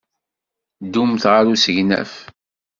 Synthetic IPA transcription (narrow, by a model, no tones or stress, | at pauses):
d̪umθʁaɾusəʝnæ̰f